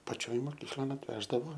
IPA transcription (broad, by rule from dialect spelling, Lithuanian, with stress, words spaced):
pɐˈt͡ʃʲoːj moːˈkʲiːklˠoːn ɐtʲˈʋʲæːʒdɐʋoː